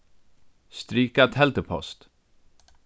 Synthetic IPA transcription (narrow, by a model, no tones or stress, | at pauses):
st̪ɾyːkat̪hɛlt̪əpʰɔ̰st̪